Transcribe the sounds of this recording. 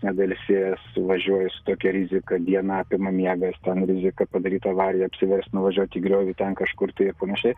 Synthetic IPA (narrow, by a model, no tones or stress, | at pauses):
nʲɛd̪ɐlʲsʲeːjɛsʋɐʒʲuɔjɛsʊ̥t̪oːkʲɛɾʲɪzʲɪkɐd̪ʲiɛnɐɑːpʲɪmɐmʲiɛɡɐst̪ʲɛnɾʲɪzʲɪkɐpɐd̪ɐɾʲiːt̪ɐːʋɑːɾʲjɛɐpʲsʲɪʋʲɛɾʲsʲt̪nʊʋɐʒʲuɔt̪ʲiːɡɾʲoːʋʲiːt̪ʲɛnkɐʃkʊrt̪ɐɪɪɾpɐnɐʃʲɛɪ